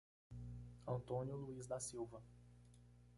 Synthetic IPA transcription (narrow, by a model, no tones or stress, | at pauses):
ɐ̃nt̪õnjʊluizd̪ɐsiwvɐ